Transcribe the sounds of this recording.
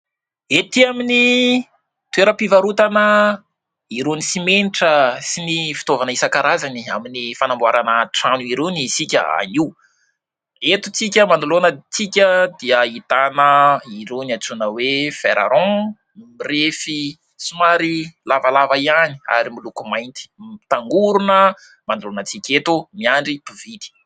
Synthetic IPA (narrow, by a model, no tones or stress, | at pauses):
et̪iamini | t̪uweɾəpivaɾut̪anə | iɾonisimeniʈ͡ʂəsinifi̥t̪ovanəisakaɾazaniaminifanambwaɾanəʈ͡ʂanuiɾenisikʲə̰a̰niu | et̪ut͡sikʲəmanulonət͡sikʲəd̪iəit̪anəiɾenat͡sunəwefeɾa̰ɾɔ̃ | mirefi | sumaɾilavalavaiani̥a̰ɾimilukumajnt̪i̥t̪aŋɡuɾunə | mand̪ulonət͡sikʲet̪umiaɳɖ͡ʐipivid̪̥i̥